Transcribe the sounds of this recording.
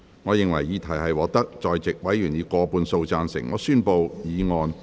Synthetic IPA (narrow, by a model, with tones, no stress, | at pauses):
ŋɔː˨˧jɪ˨ŋwɐ˨˩jiː˨˧t̪ʰɐ˨˩hɐ˨jwɔː˨˥k̚t̪ɐ˥k̚t͡ʃɔː˨jt͡sɪ˨k̚wɐ˨˥jjyː˨˩njiː˨˧kɔː˧puː˨˧nso˧wt͡saː˧nsɪ̰˨˩ŋŋɔ̰ː˨˧syː˥npo˨˧wjiː˨˧ŋɔː˧n